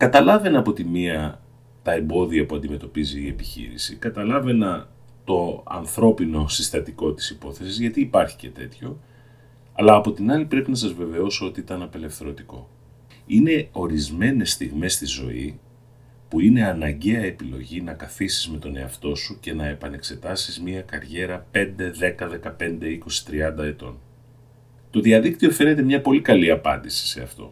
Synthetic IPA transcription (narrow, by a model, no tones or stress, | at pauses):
kɐt̪ɐlɐve̞nɐpo̞t̪imiɐ | t̪ɐe̞mbo̞ðiɐpuɐnd̪ime̞t̪o̞piziːe̞pi̥çḭɾḭsḭkɐt̪ɐlɐve̞nɐ | t̪o̞ɐ̰nθɾo̞pino̞sist̪ɐt̪iko̞t̪i̥sipo̞θe̞sizʝɐt̪iːpɐɾçi̥ce̞t̪e̞t̪ço̞ | ɐlɐːpo̞t̪inɐlipɾe̞pinɐs̬ɐzve̞ve̞o̞soot̪iit̪ɐnɐpe̞le̞fθe̞ɾo̞t̪iko̞̰ | ine̞o̞ɾizme̞ne̞st̪iɣme̞st̪izo̞̰ḭ | puine̞ɐnɐɲɟe̞ɐepilo̞̰ʝinɐkɐθisi̥zme̞t̪o̞ne̞ɐft̪o̞suce̞nɐe̞pɐne̞kse̞t̪ɐsizmiɐkɐɾʝe̞ɾɐpe̞nd̪e̞ðe̞kɐðe̞kɐpe̞nd̪e̞iko̞si̥t̪ɾiɐnd̪ɐe̞t̪o̞̰n | t̪o̞ðiɐðik̚t̪io̞fe̞ne̞t̪e̞mɲɐpo̞likɐliɐpɐ̰nd̪isi̥se̞ɐft̪o̞̰